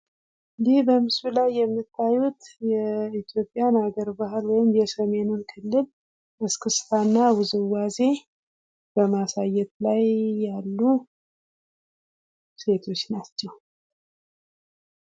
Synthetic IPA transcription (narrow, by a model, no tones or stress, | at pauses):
ʔɨnd̪ihbəmɨsulajːɛmːɨt̪ʰːajut̪jɛit̪jo̞pʼːjanaɡəɾbaɦɨlwɔjɪmjɛsəme̞nunkʰɨlːɨl | ʔɨskʰɨsfanːawʊzɨwaze̞ | b̥əmasajːɛt̪lajːalːu | se̞t̪ʰo̞t͡ʃːnat͡ʃːɛw